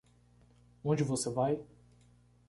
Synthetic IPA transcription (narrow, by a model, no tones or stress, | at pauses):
õnd͡ʒɪvosevaj